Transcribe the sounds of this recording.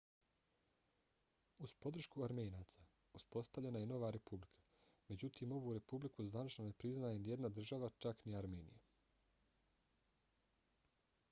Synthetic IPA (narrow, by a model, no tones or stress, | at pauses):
uspo̞d̪r̩ʃkuaɾmeːnaːt̪sa | uspo̞st̪aʋʎe̞najeno̞ʋaɾe̞publikʰḁ | me̞d͡ʑut̪ʰiːmo̞ʋuːɾe̞publikuzʋanit͡ʃno̞ne̞pɾiznajenije̞d̪nad̪r̩ʒaʋat͡ʃakniaɾme̞ːnḭja